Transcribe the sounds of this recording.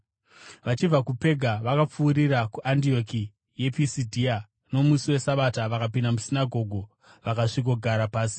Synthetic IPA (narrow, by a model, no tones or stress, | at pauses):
ʋat͡ʃivakupe̞ɡʱaʋakap͡fuːɾirakuʔandio̞ki | je̞pisidʱia | no̞musiwe̞saʋataʋakapindamusinaɡʱo̞ɡʱo̞ | ʋakaʂiko̞ɡʱaɾapaːsi̥